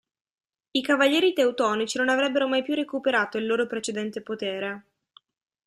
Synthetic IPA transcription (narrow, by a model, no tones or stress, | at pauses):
ikavaʎːɛːɾit̪ewt̪ɔːnit͡ʃinonavɾɛbːeɾomajpjurekupeɾaːt̪oilːoːɾopɾet͡ʃed̪ɛnt̪epot̪eːɾe